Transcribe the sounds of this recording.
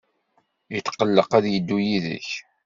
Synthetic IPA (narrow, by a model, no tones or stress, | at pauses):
jət̪ːqːəlːəqæðjəd̪ːujiðə̰ç